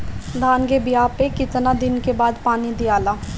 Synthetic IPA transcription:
d̪aːnɡebijaːpekɪt̪nad̪ɪnkebaːd̪paːnid̪ijaːlaː

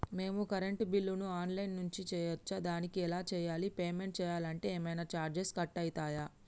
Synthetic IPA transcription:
me̞ːmukɐɾe̞ɳʈbilːunuaːnlɐjnːuɲt͡ʃit͡ʃɛːjɐt͡ʃːad̪aːnikiɛlaːt͡ʃɛːjaːlipeːme̞ɳʈ̚t͡ʃɛːjaːlɐɳʈe̞ːɛːmɐjnaːt͡ʃaːɾd͡ʒeskɐʈːɐjt̪aːjaː

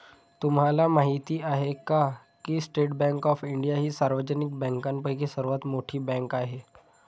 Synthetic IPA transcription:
t̪umɦalamaɦit̪iːaɦeka | kisʈeʈbɛ̃ŋkɔfiɳɖijaɦiːsaɾʋəd͡ʑənik̚bɛ̃ŋkanpəkisəɾʋat̪moʈʰiːbɛ̃ŋkaɦe

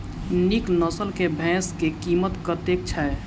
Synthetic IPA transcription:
niknəsəlkebʱɛ̃skekimət̪kət̪ek̚t͡ʃʰa

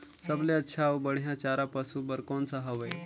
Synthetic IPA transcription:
səbleɐtːʃʰaobəɽ̤ijãt͡ʃaːɾapəsubəɾkoːnsaɦəʋeː

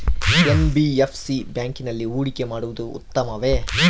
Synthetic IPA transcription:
embiepʰsibjaːŋkinɐlːiuːɽike̞maːɽuʋud̪uṵt̪ːɐmɐʋe

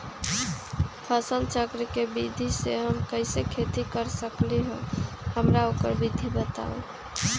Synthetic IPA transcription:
pʰəsəlt͡ʃəkɾəkebid̪ʱiseɦəmkəɪsekʰet̪ikəɾsəkleɦṵ̃ | həmɾaokəɾbid̪ʱibət̪a̰ṵ̃

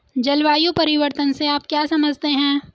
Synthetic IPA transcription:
d͡ʒɐlʋaːjũpɐɾɪʋəɾt̪ənseaːp̚kjaːsɐməd͡ʒʱt̪eɦɛ̃ː

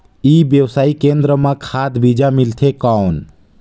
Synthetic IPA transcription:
iːbjəwsaːikẽnd̪ɾəmãkʰaːd̪bid͡ʒamilt̪ʰekawn

